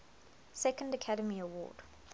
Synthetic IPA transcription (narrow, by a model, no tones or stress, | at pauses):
sɛkə̃ndəkʰaɾəmiəwɔ̰ːd̥